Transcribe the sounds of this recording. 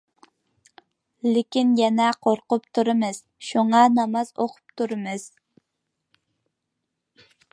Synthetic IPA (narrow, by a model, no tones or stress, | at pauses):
lɪkʲinjɛnɛqʰoɾqʊpt̪ʰuɾɨmɨz̥ | ʃuŋɑnɑmɑz̥oqʰʊ̥p̚t̪ʰuɾɨmɨz̥